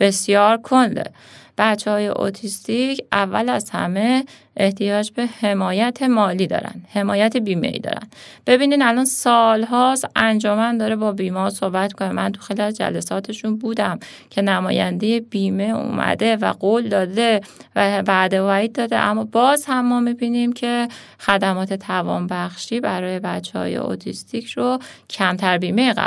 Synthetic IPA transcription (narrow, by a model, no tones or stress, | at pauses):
b̥e̞sjɒːɾkʰond̪ḛ | b̥æt̪t͡ʃːehɒːje̞̰ʔo̰t̪ʰist̪icʰʔævːælæzhæ̰me̞ | ʔeht̪ʰijɒːd͡ʒbe̞he̞mɒːjæt̪ʰe̞mɒːliːd̪ɒ̰ɾæ̰nd̪̥he̞mɒːjæt̪ʰebiːmḛḭːd̪ɒ̰ːɾæ̰n̥b̥e̞biːnid̪ælɒːnsɒːlɦɒːsʔænd͡ʒɒːmænd̪ɒːɾebɒːbiːmɒɾso̞hbæt̪mi̥kʰonemænt̪ʰu̥xeliæzd͡ʒæ̰lesɒːt̪ʰe̞ʃunbuːd̪æm | cʰe̞næmɒ̰ːjænd̪e̞jebiːme̞ṵmʔæ̰d̪e̞væ̰ɢold̪ɒːd̪evæbæd̪evæɾiːd̪̚d̪ɒːd̪ḛʔæmːɒːbɒːzhæmːɒːmibiːnimcʰe̞ | xæd̪æmɒːt̪ʰe̞t̪ʰævɒ̰ːnbæxʃiːbæɾɒːje̞bæt͡ʃʰːehɒ̰ːjḛo̰t̪ʰist̪ʰicʰɾocʰæmt̪ʰæɾbiːme̞jeɣæ̰